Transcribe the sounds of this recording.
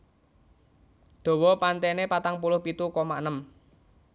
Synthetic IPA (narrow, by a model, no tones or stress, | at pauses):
d̪̥o̤wɔpant̪ɛnepat̪aŋpulʊhpit̪ukɔma̰ʔnəm